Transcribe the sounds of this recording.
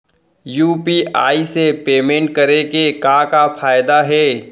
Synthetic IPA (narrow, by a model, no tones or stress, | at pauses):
juːpiːa̰ːisepeːmẽɳʈ̚kɐɾekekaːkafʰaːjd̪aɦɛː